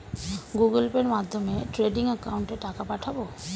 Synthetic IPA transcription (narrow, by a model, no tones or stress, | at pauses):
ɡuɡəlpeɾmad̪ʱːomeʈɾeɖiŋɛkauɳʈeʈakapaʈʰabo